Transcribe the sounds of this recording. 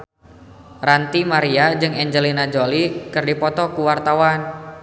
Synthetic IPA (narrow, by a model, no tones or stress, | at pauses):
rant̪imaɾiad͡ʒɨŋɛɲd͡ʒəlinad͡ʒolikɨrdipɔt̪ɔkuwart̪awan